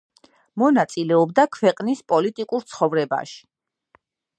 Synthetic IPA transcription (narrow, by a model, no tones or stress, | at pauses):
mɔnat̪sʼilɛɔbd̪akʰwɛqʼnispʼɔlit̪ʼikʼuɾt̪sʰχɔvɾɛba̰ʃi̥